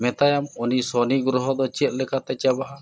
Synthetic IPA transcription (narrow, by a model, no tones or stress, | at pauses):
mɛt̪ajamɔnisɔniɡɾɔɦɔd̪ɔt͡ʃɛt̪̚ˀlɛkʰat̪ɛt͡ʃabaɦa